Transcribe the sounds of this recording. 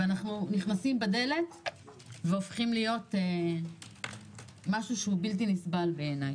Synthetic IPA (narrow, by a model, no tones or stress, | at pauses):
veanaχnuniχnasimbed̪e̞le̞t̪ | veofχimlijo̞te | maʃuʃeubilt̬inisbalveːnaj